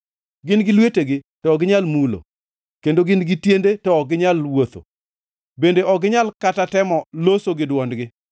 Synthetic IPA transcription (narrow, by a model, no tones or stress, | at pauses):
ɡɪnɡɪlweteɡɪtɔːɡɪɲalmulo̰ | kendoɡɪnɡɪtjendetɔːɡɪɲalwot̪o̰ | bendeɔɡɪɲalkatatɛmɔlosoɡɪdwɔndɡɪ